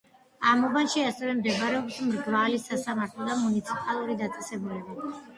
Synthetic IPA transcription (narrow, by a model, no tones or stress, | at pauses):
amɔvanʃiasɛvɛmd̪ɛbaɾɛɔpsmɾɡvalisasamaɾt̪ʰlˠɔd̪amunit̪sʰipʼalˠuɾid̪at̪sʼɛsɛbulɛba